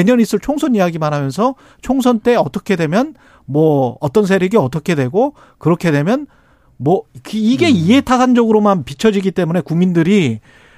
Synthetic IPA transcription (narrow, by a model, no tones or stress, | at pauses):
eɲʌnis͈ɯɭt͡ɕʰoŋsʰʌnijaɡimaɾɦamjʌns̬ʰʌ | t͡ɕʰoŋsʰʌnt͈e̞ʌt͈ʌkʰe̞dwe̞mjʌn | mwʌʌt͈ʌns̬ʰeɾiɡiʌt͈ʌkʰe̞dwe̞ɡo | kɯɾʌkʰe̞dwe̞mjʌn | mwʌkɯiɡe̞iɦe̞tʰas̬ʰand͡ʑʌɡɯɾomanpit͡ɕʰʌd͡ʑiɡit͈e̞mune̞kuŋmindɯɾi